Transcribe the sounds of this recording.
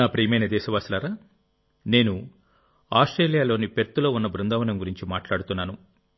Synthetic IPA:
aːpɾiːmɐjnɐd̪ɛːʃɐʋaːslaːɾaː | ne̞ːnu | aːsʈɾeːlijaːlo̞ːnipeɾt̪ːulo̞ːunːɐbɾund̪ɐːʋɐnɐmɡuɾiɲt͡ʃimaːʈlaːɽut̪unːaːnu

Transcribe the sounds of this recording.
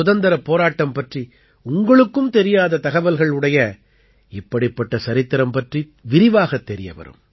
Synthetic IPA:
ʊðɐnd̪ɐɾɐpːoːɾaːʈːɐmpɐʈri | ʊŋɡɐɭɯkːɯmt̪ɛɾɪjaːðɐt̪ɐɣɐʋɐlɣɐɭɯɽɐjɐ | ɪpːɐɽɪpːɐʈːɐsɐɾɪt̪ːɪɾɐmpɐʈri | ʋɪɾɪʋaːɣɐt̪ːɛɾɪjɐ̰ʋɐ̰ɾɯ̰m

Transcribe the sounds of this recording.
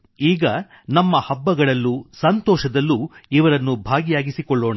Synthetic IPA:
iːɡɐ | nɐmːɐhɐbːɐɡɐɭɐlːusɐnt̪ɔːʃɐd̪ɐlːuiʋɐɾɐnːubʱaːɡijaːɡisikɔɭːoːɳɐ

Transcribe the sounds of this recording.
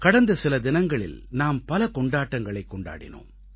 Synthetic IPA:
kɐɽɐnd̪ɐsɪlɐd̪ɪnɐŋɡɐɭɪ̰lnaːmpɐlɐkɔɳɖaːʈːɐŋɡɐɭɐɪkːɔɳɖa̰ːɽɪ̰no̰ːm

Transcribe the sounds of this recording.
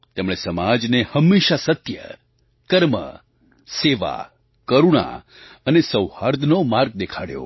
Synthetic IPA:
t̪emɭ̃esəmad͡ʒnehəmːeʃasət̪jə̰ | kəɾmə̰ | seʋa̰ | kəɾuɽ̃a̰ | ənesəwhaɾd̪ʱnomaɾɡ̚d̪ekʰaɽjo̰

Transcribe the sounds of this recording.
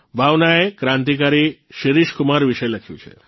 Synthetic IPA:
bʱaʋnaekɾãnt̪̬ik̬aɾiʃiɾiʃkumaɾʋiʃəjləkʰjṵ̃t͡ʃʰḛ

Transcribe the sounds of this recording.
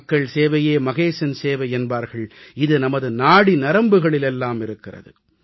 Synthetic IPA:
kːɐɭseːʋɐjeːmɐɣeːʂɐnseːʋɐɪɛnbaːɾɣɐɭɪðɯnɐmɐðɯnaːɽinɐɾɐmbɯɣɐɭɪlɛlːaːmɪɾɯkːɪrɐ̰ðɯ̰

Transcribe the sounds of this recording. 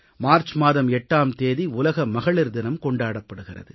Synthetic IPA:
maːɾt͡ʃmaːðɐmɛʈːaːmt̪eːðiʊlɐɣɐmɐɣɐɭɪɾd̪ɪnɐmkɔɳɖaːɽɐpːɐɽɯɣɪrɐ̰ðɯ

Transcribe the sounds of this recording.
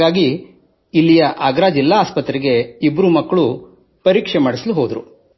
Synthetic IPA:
aːɡiː | lːijɐʔaːɡɾaːd͡ʒilːaːspɐt̪ɾiɡe̞ibːɐɾumɐkːɐɭu | pɐɾiːkʂemaːɽisɐluɦoːd̪ɐɾṵ

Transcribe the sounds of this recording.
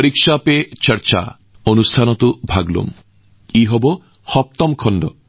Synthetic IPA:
ɾikʃapet͡ʃəɾt͡ʃa̰ | onust̪ʰanɔt̪ubʱaɡlṵm | iɦobo | hɔp̚t̪ɔmkʰɔnd̪ɔ

